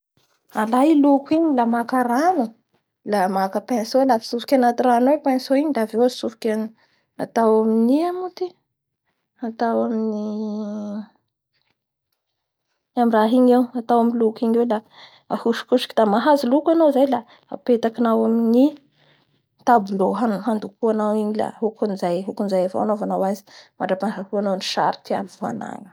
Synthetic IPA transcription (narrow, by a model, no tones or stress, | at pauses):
alajilukiɲilamakaɾanu | lamakəpensolafi̥sufu̥kʲanat̪iranowepansoiɲid̪avewasufu̥kʲan | at̪awaminiamut̪i | at̪awamini | amiɾaɦiɲewat̪awamilukiɲwela | ahuʃi̥kuʃi̥ki̥d̪amaɦazilukanozajla | a̰pet̪akinawamini | t̪abuloɦanɦand̪ukuanawiɲila̰ɦukunizajɦukunzajafo̰anovanawazi̥maɳɖ͡ʐapaaɦuanowniʃa̰ɾi̥t̪iamivua̰na̰ŋə̥